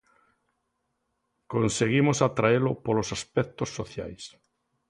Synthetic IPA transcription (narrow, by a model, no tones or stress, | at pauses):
konseɣimosat̪ɾaelʊpolosaspɛk̚t̪osːoθja̰js